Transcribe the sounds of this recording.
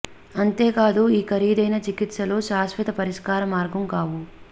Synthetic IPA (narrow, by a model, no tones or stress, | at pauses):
ɐnt̪e̞ːkaːd̪uiːkʰɐɾiːd̪ɐjnɐt͡ʃikit̪sɐlo̞ːʃaːsʋɐt̪ɐpɐɾiʂkaːɾɐmaːɾɡɐmkaːʋu